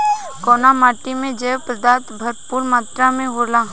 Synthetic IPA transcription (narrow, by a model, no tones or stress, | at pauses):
kɔːnamaːʈimẽd͡ʒɛːʋpɾəd̪aːt̪bʱəɾtpuːɾmaːt̪ɾamẽɦolaː